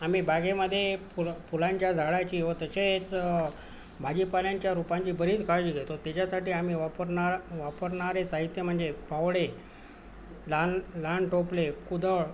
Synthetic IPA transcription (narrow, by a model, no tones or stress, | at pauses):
am̤iːbaɡeməd̪ʱːjepupulãɲt͡ɕjad͡zʱaɭat͡ɕiːʋət̪əset͡s | bʱad͡ʑipaljaɲt͡ɕjaɾupãɲt͡ɕiːbəɾiːt͡skad͡ʑiɡʱet̪ot̪at͡ɕasaʈiːam̤iːʋapəɾɳaɾʋapəɾɳaɾet͡saɦit̪ːem̤əɳd͡zepaʋɭe | lanlaɳʈoplekud̪əɭ